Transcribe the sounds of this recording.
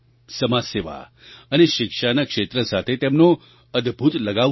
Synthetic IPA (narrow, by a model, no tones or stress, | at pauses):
səmaseʋa̰ | əneʃɪkʂanakʂet̪ɾəsat̪ʰet̪emno | əd̪bʱut̪ləɡa